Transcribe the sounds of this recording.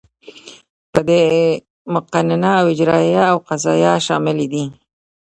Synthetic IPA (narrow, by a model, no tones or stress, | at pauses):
pəd̪e | mʊqanɪnaːwɪd͡ʒɾɑjaːwqazɑjɑʃɑmɪlid̪i